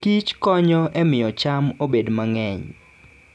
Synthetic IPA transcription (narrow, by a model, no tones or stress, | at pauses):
kit͡ʃkɔɲɔʔɛmɪɔt͡ʃamobedmaŋɛɲ